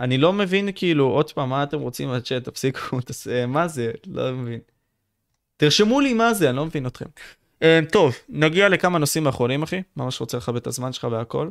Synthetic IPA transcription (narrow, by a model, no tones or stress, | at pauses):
anilo̞me̞vinkiːluʔo̞d̪paːmːaːt̪e̞mʁo̞t͡simat͡ʃet̪afsikut̪asemaze̞lo̞̰mevin | tiʁʃe̞mulimazeanilo̞mevino̞t̪χe̞̰m | eːmt̪o̞vnaɡiale̞kamano̞simaːχonimaχimamaʃʁo̞t͡seleχabet̪azmanʃelχaveako̞̰l